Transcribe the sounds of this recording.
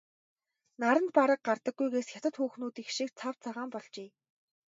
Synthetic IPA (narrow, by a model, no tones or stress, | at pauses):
naɾə̆nt̪̚paɾə̆k̚ɢart̪ə̆ɡːujɣeːsxʲjat̪ə̆t̪xuːxnuːt̪ixʃik̚t͡sʰawt͡sʰaʁaːmpɔɮt͡ɕeː